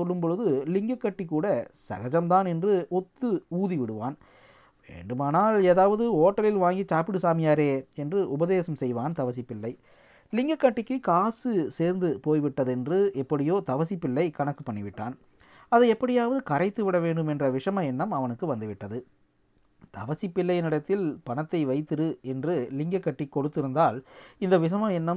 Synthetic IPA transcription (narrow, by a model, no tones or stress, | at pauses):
ɔlːɯmpɔɻɯðɯlɪŋɡɐkːɐʈːikːuːɽɐsɐ̰ɣɐd͡ʒɐmt̪aːnɛndrɯɔt̪ːɯuːðiʋɪɽɯʋa̰ːn | ʋḛːɳɖɯmaːnaːleːðaːʋɐðɯoːʈːɐlɪlʋaːŋɡit͡ʃaːpːɪɽɯsaːmɪjaːɾeːɛndrɯʔʊbɐðeːsɐmsɛjʋaːnt̪ɐʋɐsɪpːɪlːɐɪ | lɪŋɡɐkːɐʈːɪkːɯkaːsɯseːɾnd̪ɯpoːjʋɪʈːɐðɛndrɯɛpːɐɽɪjoːt̪ɐʋɐsɪpːɪlːɐɪkɐɳɐkːɯ̥pːɐɳːɪʋɪʈːaːn | ɐðɯɛpːɐɽɪjaːʋɐðɯkɐɾɐɪt̪ːɯʋɪɽɐʋeːɳɖɯmɛndrɐʋɪʂɐmɐɛnːɐmɐʋɐnɯkːɯʋɐnd̪ɯʋɪʈːɐðɯ | t̪ɐʋɐsɪpːɪlːɐjnɪɽɐt̪ːɪlpɐɳɐt̪ːɐɪʋɐɪt̪ːɯɾɯɛndrɯlɪŋɡɐkːɐʈːikːɔɽɯt̪ːɪɾɯnd̪aːlɪnd̪ɐʋɪʂ̬ɐmɐɛnːɐm